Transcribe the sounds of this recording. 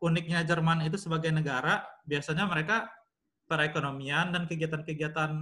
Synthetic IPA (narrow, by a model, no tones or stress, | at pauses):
unɪk̚ɲad͡ʒərmanit̪usəbaɡajnəɡaɾabiasaɲaməɾeka | pəɾekonomiandankəɡiat̪ankəɡiat̪an